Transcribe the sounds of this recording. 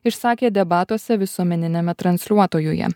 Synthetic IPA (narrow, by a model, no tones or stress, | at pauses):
ɪʃsɑːkʲeːd̪ʲɛbɑːt̪uɔsʲɛʋʲɪsuɔmʲɛnʲɪnʲɛmʲɛt̪ɾɐnʲsʲlʲuɔt̪oːjʊjɛ̰